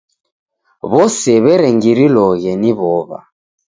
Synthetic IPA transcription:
βɔsɛβɛɾɛŋɡiɾilɔɣɛniβɔβa̰

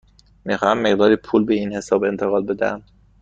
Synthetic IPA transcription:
miːxɒːhæmːe̞ɣd̪ɒːɾiːpʰuːlbeiːnhe̞sɒːbe̞nt̪ʰeɣɒːl̚be̞d̪æ̰æ̰m

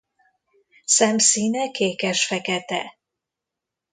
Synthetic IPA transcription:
sɛmsiːnɛkʰeːkɛʃfɛkɛt̪ɛ̰

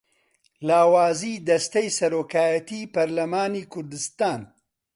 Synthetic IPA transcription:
laːwaːziːd̪ɐst̪ejsɐɾoːkaːjɐt̪iːpɐɾlɐmaːniːkʰʊɾd̪ɨst̪aːn

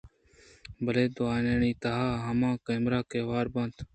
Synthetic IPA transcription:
bʱəleːd̪oaːneːɳĩːt̪aɦaːɦəmãːkeːmɾaːkeːʋaːɾbə̃ːnt̪

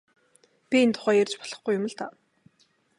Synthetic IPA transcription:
pʲient̪ʰʊ̥χæːjerʲt͡ɕpɔ̥ɮ̥ɞ̆χɡujʊmə̆ɮt̪a

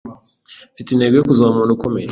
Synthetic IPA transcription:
fitineɡojokuzamonukomeɾ

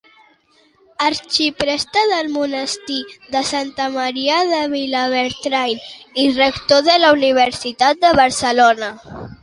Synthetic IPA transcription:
əɾt͡ʃipɾɛst̪əðəlmunəst̪iðəsant̪əməɾiəðəβilaβeɾt̪ɾajlirəkt̪oðəlauniβ̞əɾsit̪at̪̚d̪əβəɾsəlonə

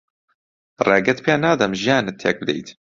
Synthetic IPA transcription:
reːɡɛt̪pʰenaːd̪ɐmʒijaːnɨt̪ʰːḛːk̚bɨd̪ḛjt̪

